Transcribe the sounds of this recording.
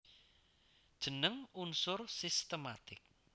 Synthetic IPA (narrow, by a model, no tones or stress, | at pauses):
d̥ʒ̥ənəŋunsʊrsist̪əmat̪ɪk̚